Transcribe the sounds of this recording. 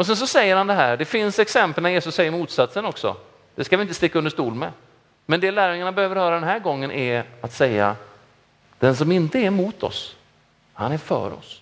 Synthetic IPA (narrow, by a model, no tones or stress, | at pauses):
ɔs̬ɛns̬ɔsɛjːəɾhand̪ɛɦæːɖɛfɪnsɛksɛmpəlnæɾjeːsɵsːɛjːəɾmuːt̪sat̪sənɔksɔ̰ | d̪̥ɛskavɪɪnt̪əst̪ɪkːaɵnd̪əʂt̪uːlmɛ̰ | mɛnd̪ɛlæːɾjɵŋaɳabɛhøːvəɾhœːɾad̪ɛnɦæːɾɡɔŋːənʔæɾat̪sɛjːa̰ | d̪̥ɛns̬ɔmɪnt̪əæɾmuːt̪ʰɔ̰s | hanæɾfœ̰ːɾɔ̰s